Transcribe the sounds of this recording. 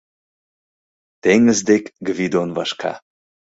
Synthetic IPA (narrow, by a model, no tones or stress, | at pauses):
t̪eŋɡəzd̪ekɡəvid̪onvaʃkʰa̰